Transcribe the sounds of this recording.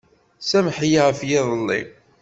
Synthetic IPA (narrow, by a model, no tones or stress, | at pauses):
sæmħjaʁfjɪðˤəlːḭ